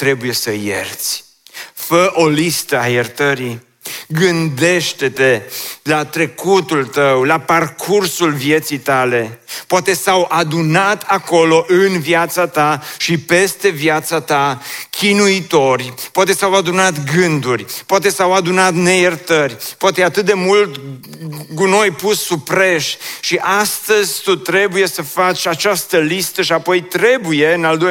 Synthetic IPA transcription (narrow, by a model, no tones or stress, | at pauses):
t̪ɾe̞buje̞səjḛrt̪sʲ | fəʔo̞list̪əajert̪əɾi | ɡɨnd̪e̞ʃt̪et̪e̞lat̪ɾe̞kut̪ult̪əwlaparkʰursulvje̞t̪sijt̪ale̞poat̪e̞sawʔad̪unat̪ʰako̞lo̞ʔɨnvjat̪sat̪aʃipe̞st̪e̞vjat̪sat̪akʲinuit̪o̞rʲpoat̪e̞sawad̪unat̪ɡɨnd̪urʲpoat̪e̞sawad̪unat̪ne̞jert̪ərʲpoat̪ejat̪ɨt̪̚d̪e̞mult̪ | kuno̞jpusːupɾeʃʃiʔast̪əzʲt̪ut̪ɾe̞buje̞səfat͡ʃat͡ʃast̪əlist̪əʃiapo̞jt̪ɾe̞buje̞ɨnald̪o